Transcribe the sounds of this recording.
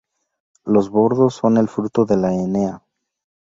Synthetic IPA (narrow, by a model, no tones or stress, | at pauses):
lo̞zβo̞ɾðo̞sːo̞ne̞lfɾut̪o̞ðe̞laene̞a